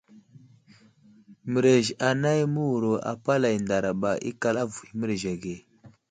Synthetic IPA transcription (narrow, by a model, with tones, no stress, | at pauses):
mə˨ɾe˨ʒa˨na˦jmə˦wu˨ɾo˨a̰˨pa˦la˨jnda˨ɾa˨ba˨ʔḭ˦ka˦la˦vu˨i˨mə˦ɾe˨ʒa˨ɡe˨